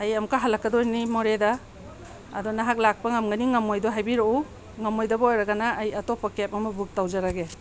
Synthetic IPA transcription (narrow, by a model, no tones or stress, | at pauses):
ajɐmkʰaɦalɐkːadɔjnimɔɾeda̰ː | dɔnaɦak̚lak̚pɐŋɐmɡɐniŋɐmojdɔɦajbiɾou | ŋɐmojdɐbojɾaɡanaʔːjɐtɔpakep̚ɐmɐbuk̚tawzaɾaɡe